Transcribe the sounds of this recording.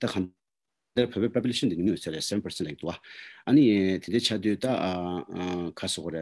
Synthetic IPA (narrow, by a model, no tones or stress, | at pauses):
t̪akʰan | d̪arpʰøːpeːpap̬yleʂənd̪iimijøt͡sʰaɾeʔseʋɛnpəsenlak̚d̪uʔaʔɐnit̪endeːt͡ɕʰad̪yːt̪a | kʰasoɣoɾe